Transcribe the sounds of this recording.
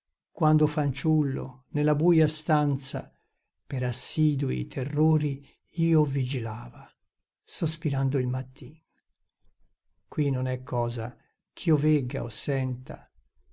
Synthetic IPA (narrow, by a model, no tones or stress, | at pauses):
kwand̪ofant͡ʃulːo̰nelabuːjast̪ant̪sa̰ | peɾasːid̪uḭt̪ʰerːoːɾi | iːovid͡ʒilaːva | sospiɾand̪oilmat̪ːin | kwinonɛkʰːɔːza̰ | kʰiovɛɡa̰o̰sːɛnt̪a̰